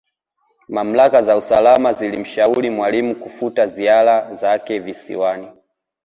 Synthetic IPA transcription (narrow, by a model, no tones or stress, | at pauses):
mam̩lakazausalamazilim̩ʃauɾimwalimukufutazialazakɛvisḭwani